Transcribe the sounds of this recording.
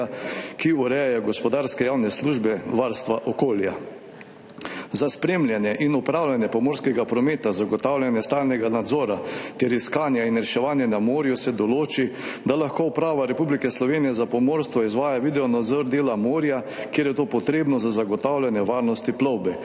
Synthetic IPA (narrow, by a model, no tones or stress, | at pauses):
akiuɾɛjɛjɔɡɔspɔd̪aɾskɛjaːwnɛsluʒbɛʋaɾst̪ʋaʔɔkoːlja | zaspɾeːmljanjɛʔinupɾaːwlʲjanjɛpɔmoːɾskɛɡapɾɔmeːt̪azaɡɔt̪awlʲjanjɛst̪aːlnɛɡanad̪zɔːɾat̪ɛɾiskaːnjainɾɛʃɛʋaːnjɛnamoːɾjusɛd̪ɔloːt͡ʃid̪alaxkoupɾaːʋaɾɛpublikɛslɔʋeːnijɛzapɔmoːɾst̪ʋɔizʋaːjaʋid̪ɛɔnad̪zɔɾd̪eːlamoːɾjakjeːɾjɛt̪oːpɔt̪ɾeːbnɔzazaɡɔt̪awlʲjanjɛʋaːɾnɔst̪iplɔwbɛ